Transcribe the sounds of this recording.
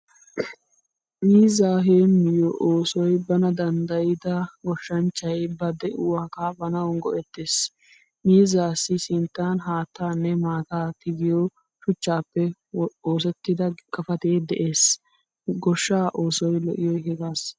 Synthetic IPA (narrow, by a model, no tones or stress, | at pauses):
miːzaːɦeːnmɪjɔʔoːsɔjbɐnɐd̪ɐnd̪ɐjɪd̪ɐɡɔʃːɐnt͡ʃːɐjbɐd̪ɛʔʊwaːkabɐnɐwɔnɡɔʔɛt̪ːeːs | miːzaːsːɪsɪnt̪ːaːnɦaːt̪ːaːnːɛmaːt̪aːt̪ɪɡɪjɔ | ʃʊt͡ʃːaːpːɛ | oːs̬ɛt̪ːɪd̪ɐkɐfɐt̪eːd̪ɛʔeːs | ɡɔʃːaːʔoːsɔjlɔ̰ʔɪjɔjɦɛɡaːs